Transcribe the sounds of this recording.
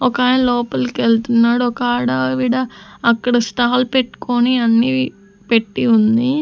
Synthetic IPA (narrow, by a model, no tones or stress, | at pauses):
ɔkaːjlɔːpɐlkelt̪unːaːɽuɔkɐaːɽɐʋiːɽɐːkːɐɽɐsʈ̪aːlpeʈːu̥koniɐnːi | peʈːiund̪i